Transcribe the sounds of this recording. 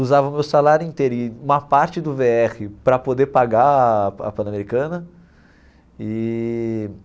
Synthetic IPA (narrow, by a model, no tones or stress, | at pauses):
uzavɐʊmewsalaɾjʊĩnt̪eɾʊiũmɐpaɾt͡ʃɪd̪ʊveɛχɪpɾɐpod̪eɾpaɡaɐ̰pɐ̃nɐmeɾikɐ̃nɐ | ɪ